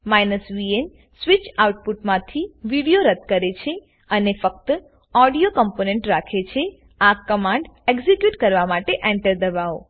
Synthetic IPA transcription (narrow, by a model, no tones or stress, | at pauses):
majnəsʋien | sʋit͡ʃawuʈ̚puʈmãt̪ʰiʋiɽijoɾət̪kəɾet͡ʃʰe | ənefək̚t̪ə | ɔɽijokəmponeɳʈɾakʰet͡ʃʰe | akəmãɳɖeɡzekjuʈkəɾʋamaʈeʔɛ̃ɳʈəɾd̪əʋao̰